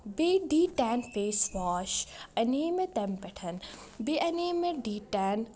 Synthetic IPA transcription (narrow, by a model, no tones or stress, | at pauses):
beːɖiːʈaːnfeːsʋaːʃɐneːmet̪ɐmpeʈʰɐn | beʔɐneːmeɖiːʈaːn